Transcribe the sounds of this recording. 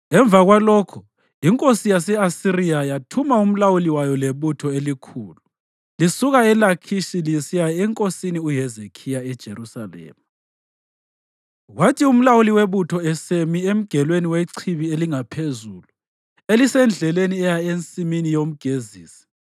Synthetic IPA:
ɛɱb̪vaɣwalɔːkʰɔ | iŋkʼosijasɛasirijajatʰumaum̩lawuliwajɔleβutʰɔelikʰuːlu | lisuɣaɛlakʰiʃilisijaɛŋkʼosiniuɦɛzekʰijaɛd̥ʒ̥ʱḛrusa̰lɛ̰ːma | ɣwatʰium̩lawuliweβutʰɔɛsemiem̩ɡ̥ʱɛlweniweǀʰiβieliŋapʰezulu | elisɛnd͡ɮʱɛleniɛjaent͡sʼiminijom̩ɡ̥ʱeziːsi̥

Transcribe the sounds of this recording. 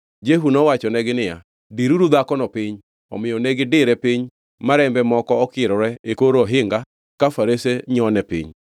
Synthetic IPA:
d͡ʒeɦunɔwat͡ʃɔnɛɡɪnɪja̰ | diɾuɾud̪akɔnɔpɪɲ | ɔ̰mɪjɔnɛɡɪdɪɾɛpɪɲ | maɾɛmbɛmɔkɔːkɪɾɔɾɛekoɾɔɦɪŋɡa | kafaɾeseɲɔnɛpɪ̰ɲ

